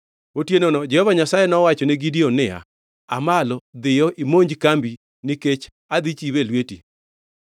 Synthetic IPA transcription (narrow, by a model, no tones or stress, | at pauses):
otjenonɔd͡ʒɛhɔvaɲasajɛnɔwat͡ʃɔnɛɡidiɔnɪa̰ | amalɔd̪ɪjɔʔimoɲd͡ʒkambi | nɪket͡ʃ | ad̪it͡ʃiwelweti